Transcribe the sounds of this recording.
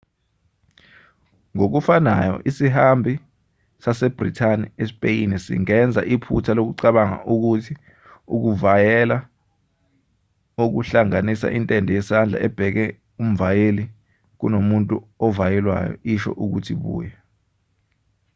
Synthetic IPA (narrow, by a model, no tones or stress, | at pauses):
ŋok̬ufanajɔ̰ʔisihambʱi | sasɛb̥rḭtʰaniɛspʼejinisḭŋɛnd͡zʱa̰ʔipʰṵtʰalok̬uǀaɓaŋa̰ʔuk̬utʰi | uk̬uvajɛla | uk̬uɬaŋanisa̰ʔintʼɛndʱɔjɛsand͡ɮʱa̰ʔɛb̥ʱɛk̬ɛ | um̩vajeli | k̬unomuntʼuɔvajɛlwa̰jɔ̰iʃɔ̰ʔuk̬utʰiɓṵːjɛ